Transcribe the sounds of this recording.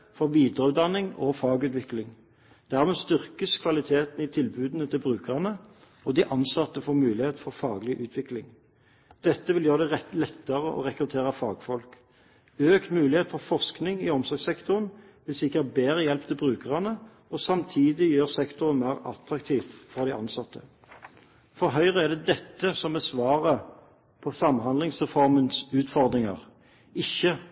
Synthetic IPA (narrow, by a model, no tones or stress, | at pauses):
fɔʁʋiːd̪ʁəʉːt̪̚d̪ɑnɪŋɔ̰fɑːɡʉːt̪ʋɪklɪŋ | d̪̥æʁmeːst̪ʏʁkəskʰʋɑlɪt̪ʰeːt̪n̩ɪt̪ʰɪlbʉːd̪nət̪ʰɪlbʁʉːkəʁɑnə | ɔd̪ɪʔɑnsɑt̪ːəfɔːʁmʉːlɪheːt̪fɔʁfɑːɡlɪʔʉːt̪ʰʋɪklɪŋ | d̪̥ɛt̪ːəʋɪljøːʁəd̪ɛlɛt̪ːəʁəʔɔ̰ʁɛkʁʉt̪ʰeːʁəfɑːɡfɔlk | øːkt̪mʉːlɪheːt̪fɔʁfɔʁsknɪŋɪɔmsɔʁɡsɛkt̪ʊʁən | ʋɪlsɪkːəʁt̪̚beːʁəjɛlpt̪ʰɪlbʁʉːkəʁɑnə | ɔsɑmt̪ʰiːd̪ɪjøːʁsɛkt̪ʊʁənmæːʁɑ̰t̪ʁɑkt̪ʰiːʋfɔʁd̪ɪʔɑnsɑt̪ːə̰ | fɔʁɦœʏʁəæʁd̪ɛd̪ɛt̪ːəsɔmbɛsʋɑːʁə | pʰɔsɑmɦɑnd̪lɪŋsʁɛfɔʁmənsʉːt̪fɔʁd̪ʁɪŋɑ̰ʁ | ɪçːə